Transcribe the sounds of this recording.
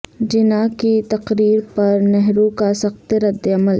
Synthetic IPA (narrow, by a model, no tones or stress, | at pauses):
d͡ʒɪnakit̪ɐqɾiːɾpɐɾnɛɦɾũkasɐxt̪ɾɐd̪ːɐməl